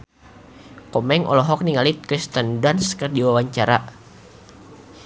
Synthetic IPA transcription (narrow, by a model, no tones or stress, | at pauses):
kɔmɛŋɔ̰lɔɦɔk̚niŋalit̪̚kɾist̪əndanskərdiwawaɲt͡ʃaɾa